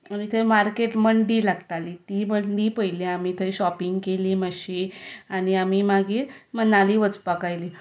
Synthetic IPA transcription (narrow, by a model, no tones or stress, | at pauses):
anit̪ʰəmaɾkeʈməɳɖiːlaɡt̪aliːt̪iːməɳɖiːpəɦjleamiːt̪ʰəɕɔpiŋɡkeliːməɕiañiamiːmaɡiːɾmənaliːʋət͡spakajliː